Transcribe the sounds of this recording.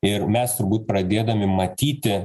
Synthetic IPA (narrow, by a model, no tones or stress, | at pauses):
ɪɾmʲɛst̪ʊɾbuːt̪̚pɾɐd̪ʲeːd̪ɐmʲɪmɐt̪ʲiːt̪ʲɪ